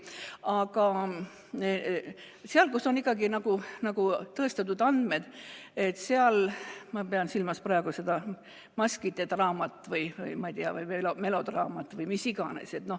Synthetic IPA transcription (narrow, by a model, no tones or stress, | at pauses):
ɑɡɑ | seɑlkuso̞nikːˑɑɡinɑɡ̥unɑɡ̥ut̪ɤest̪ɑt̪ːud̪ɑnd̪med̪̥e̞t̪ːˑseɑlmɑpeɑnsilmɑsprɑeɡ̥use̞d̪̥ɑ | mɑskid̪et̪rɑːmɑt̪ˑːvɯjvɯ̰jmɑid̪iɑ̰vɯjmelome̞lo̞d̪rɑːmɑt̪ːvɯjmisiɡ̥ɑne̞̰se̞t̪no̞h